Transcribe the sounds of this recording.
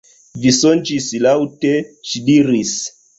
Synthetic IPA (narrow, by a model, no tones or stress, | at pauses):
visont͡ʃislawteʃidiɾis